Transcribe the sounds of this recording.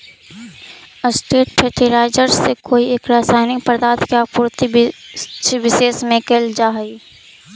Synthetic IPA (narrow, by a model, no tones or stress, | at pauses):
əsʈeːʈpʰɛːʈiɾaːɪd͡ʒəɾsːekoːieːkɾaːsaːɪnikpəɾd̪aːt̪ʰkjaːpuːɾt̪i | t͡ʃʋɪʃeːsmẽkeld͡ʒaːɦi